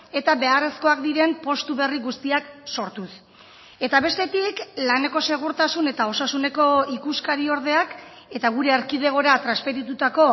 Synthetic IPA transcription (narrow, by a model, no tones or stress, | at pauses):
e̞t̪aβe̞are̞sko̞akd̪iɾe̞mpo̞st̪uβe̞riɣust̪iakso̞ɾt̪us | e̞t̪aβe̞st̪e̞t̪iklane̞ko̞se̞ɣ̞uɾt̪asune̞t̪ao̞sasune̞ko̞ikuskaɾio̞ɾð̞e̞ak | e̞t̪aɣuɾe̞ːɾkið̞e̞ɣ̞o̞ɾat̪ɾaspe̞ɾit̪ut̪ako̞